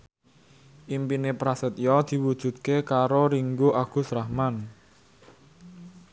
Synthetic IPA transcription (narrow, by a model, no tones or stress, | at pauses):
ʔimpinepɾasət̪̚jɔd̪̥i̤wud̥ʒ̥ṳd̪̚kekaɾoɾiŋɡoʔaɡ̥ṳsɾahman